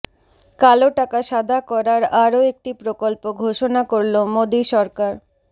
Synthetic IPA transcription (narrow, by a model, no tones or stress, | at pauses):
kaloʈakaʃad̪ʱakɔɾaɾaɾoek̚ʈipɾokolpoɡʱoʃonakoɾlomod̪iʃɔɾkaɾ